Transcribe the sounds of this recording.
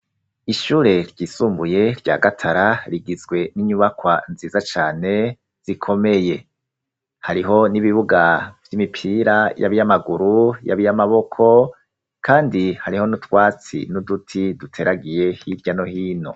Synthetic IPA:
iʃuːɾe̞ɾɟiːsuːmbuje̞ɾɟa̰ːɡatʰaɾaɾiɡizɡwe̞niɲuβakwanziːzat͡ʃaːne̞ | z̥ikʰo̞me̞je̞ | haɾiɦo̞niβiβuɡavjimipʰiːɾaja̰βijamaɡuɾuja̰βijamaβo̞kʰo̞ | kʰaːndihaɾiho̞nutwaːt͡sḭnudutʰidutʰe̞ɾaɡije̞hiɾɟano̞hiːno̞̰

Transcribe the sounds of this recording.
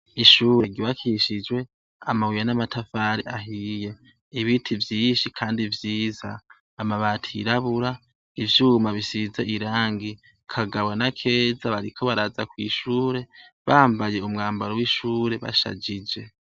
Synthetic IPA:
iʃuːɾe̞ɡiβakʰiʃid͡ʒwe̞ | amawijanamatʰafaːɾḭaɦije̞ | iβitʰivjiːʃikʰaːndivjiːzaː | maβaːtʰiiɾaβuɾa | ivjuːmaβisizeʔiɾaːŋɡi | kʰaɡaβwanakʰe̞ːzaβaɾikʰo̞βaɾazakwḭːʃuːɾe̞βaːmbaje̞umŋaːmbaɾowiʃuːɾe̞βa̰ʃa̰d͡ʒid͡ʒe̞

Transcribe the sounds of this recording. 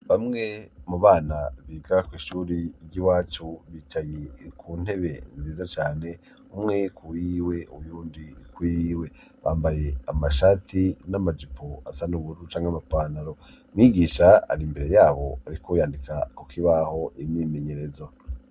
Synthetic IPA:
βamŋe̞muβaːnaβiːɡakwiːʃuːɾiɾɟiwaːt͡ʃuβiːt͡ʃajekʰuːn̥e̞βe̞nziːzat͡ʃaːne̞ | umŋe̞kʰuwiwe̞ujuːndikwiwe̞ | βaːmbaje̞amaʃatinamad͡ʒipʰoasanuβuɾut͡ʃaːŋheamapanaɾo̞ | mŋiːɡiːʃaa̰ɾimbe̞ɾe̞jaːβo̞aɾikʰojaːndikʰakukʰiβaho̞ʔimɲiːme̞ɲe̞ɾe̞zo

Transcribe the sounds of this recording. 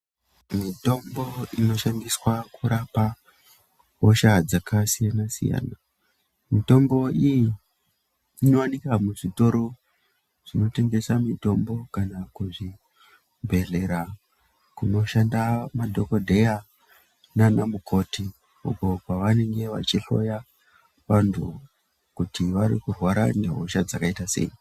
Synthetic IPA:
mito̞mbo̞ino̞ʃandiswakuɾapa | oʃad͡zakasijanasḭja̰ːna | mito̞mbo̞iji | no̞wanikamuʐito̞ɾo̞ | ʐ̥ino̞te̞ŋɡe̞samito̞mbo̞kanakuʐi | mbʱe̞ɮe̞ɾa | kuno̞ʃandamadʱo̞ko̞dʱe̞ja | nanamukʰo̞ti | ṵko̞kwaʋane̞ŋɡe̞ʋa̰t͡ʃiɬo̞̰ja | ʋantʰṵ | kutiʋaɾḭkurwaɾa̰ne̞ɦoʃad͡zakaitase̞̰i

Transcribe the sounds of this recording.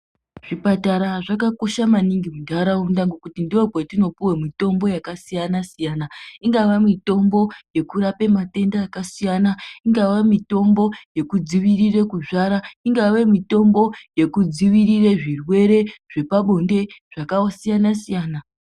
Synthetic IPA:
ʐ̥ipataɾaʐakako̞ʃamaniŋɡimudʱaɾaundaŋɡokutindiopwetino̞puwemito̞mbo̞jakasijanasijaːnaiŋɡaʋamito̞mbo̞je̞kuɾape̞mate̞ndaːkasijanaiŋɡaʋamito̞mbo̞je̞kud͡ziʋirire̞kuʐaɾaiŋɡaʋe̞mito̞mbo̞je̞kud͡ziʋirireʐirwe̞ɾe̞ʐ̥e̞paɓo̞nde̞ʐ̥akaosijanasijaːna

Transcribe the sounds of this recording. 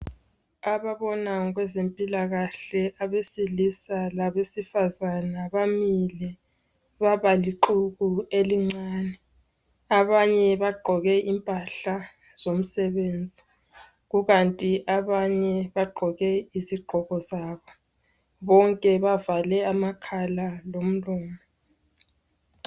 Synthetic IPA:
aβaβɔnaɣwɛzempʼilaɣaɬɛʔaβesilisalaβesifazanaβamilɛ | βaβaliǃuɣueliŋ͡ǀaːnɛ | aβaɲɛβaɡ͡ǃʱɔɣɛʔimpʼaɬa | z̥om̩sɛβeːnd͡zʱi | ɣuɣantʼiʔaβaɲɛβaɡ͡ǃʱɔɣɛiziɡ͡ǃʱɔɣɔzaːβɔ | βɔŋkʼɛβavalɛamakʰalalom̩lɔːmɔ

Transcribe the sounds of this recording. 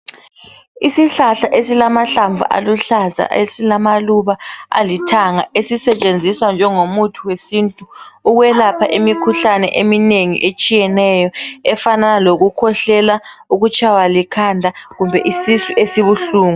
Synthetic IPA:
isiɬaɬaʔesilamaɬaɱvʱṵʔa̰luɬaza̰esilamaluβaa̰litʰaŋaʔesisɛt͡ʃʼend͡zʱiswand͡ʒʱɛŋomutʰuwesintʼuːɣwɛlapʰaʔimikʰuɬanɛ̰ʔemineŋḭʔet͡ʃʼijɛnɛjɔɛfananaloɣukʰɔɬɛlauɣut͡ʃʼʰawalikʰandʱaɣumbʱɛʔisisuʔesiβuɬuːŋu

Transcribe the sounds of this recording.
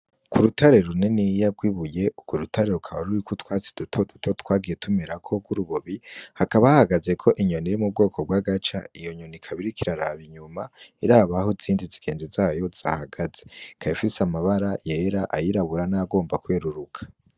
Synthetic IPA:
kuɾutaɾe̞ɾune̞nijaɡwiβuje̞ubɡoɾutʰaɾe̞ɾukʰaβaɾuɾikʰotwaːt͡si̥d̥utʰo̞dutʰo̞tʰwaːɡije̞tʰumeɾakʰo̞ɡuɾuβoβihakaβaahaɡaze̞kʰo̞ʔiɲo̞niɾimub̚ɡo̞ːkʰo̞b̚ɡwaːɡat͡ʃa̰ijo̞ɲo̞nikʰaβiɾikiɾaɾaβiɲumaiɾaːβahoziːndiziɡ̥e̞ːnzizaːjo̞z̥a̰haɡazekʰaifisamaβaɾaje̞ɾaʔajiɾaβuɾanaɡo̞ːmbakwe̞ːɾuɾukʰḁ

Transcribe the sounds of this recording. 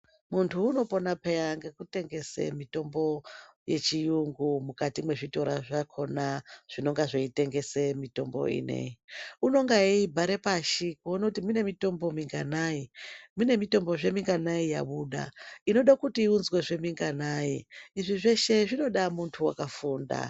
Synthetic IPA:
muntʰuːno̞po̞napejaŋɡekute̞ŋɡe̞sḛmito̞mbo̞je̞̰t͡ʃijuŋɡumukatimwe̞ʐito̞ɾaʐakʰo̞naʐ̥ino̞ŋɡaʐeite̞ŋɡe̞semito̞mbo̞̰ḭnḛiuno̞ŋɡaeibʱaɾe̞paʃikuonakutimune̞mito̞mbo̞miŋɡanaimune̞mito̞mbo̞ʐe̞miŋɡanaija̰ɓuɗa̰ino̞ɗakutiːunzwe̞ʐe̞miŋɡanaiiʐiʐe̞ʃe̞ʐino̞ɗamuntʰuwakafuːnda̰

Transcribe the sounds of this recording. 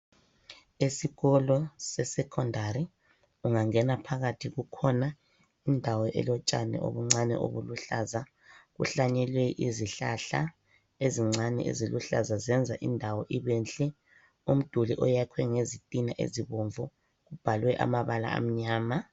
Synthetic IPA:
esiɣɔlɔsɛsɛkʰɔndʱaɾi | uŋaŋɛnapʰaɣatʰiɣukʰɔna | indʱawɔʔɛ̰lɔt͡ʃʼanɛ̰ʔo̰βuŋ͡ǀanɛ̰ʔo̰βuluɬaza | ɣṵɬaɲɛlwɛʔiziɬa̰ɬa̰ | eziŋ͡ǀanɛ̰ḛziluɬa̰zazɛnd͡zʱaʔindʱawɔʔiβɛnt͡ɬʼɛ | um̩d̥ʱulḭʔɔjakʰwɛŋezitʼinaʔḛziβoɱvu | ɣub̥ʱalwɛʔa̰maβala̰a̰m̩ɲaːma

